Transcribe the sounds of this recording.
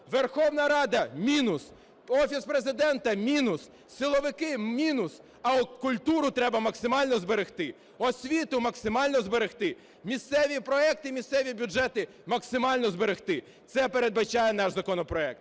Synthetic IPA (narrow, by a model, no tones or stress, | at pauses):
ʋerxɔwnɐɾɑd̪ɐmʲinʊs | ɔfʲispɾezɪd̪ɛnt̪ɐmʲinʊs | sɪlˠɔʋɪkɪmʲinʊs | ɐɔkʊlʲt̪uɾʊt̪ɾɛbɐmɐksɪmɑlʲnɔzbeɾext̪ɪ | ɔsʲʋʲit̪ʊmɐksɪmɑlʲnɔzbeɾext̪ɪ | mʲist̪sɛʋʲipɾɔɛk̚t̪ɪmʲist̪sɛʋʲibʲʊd͡ʒɛt̪ɪ | mɐksɪmɑlʲnɔzbeɾext̪ɪ | t̪sɛpeɾe̞d̪̚bɐt͡ʃɑjɛnɑʒzɐkɔnɔpɾɔɛk̚t̪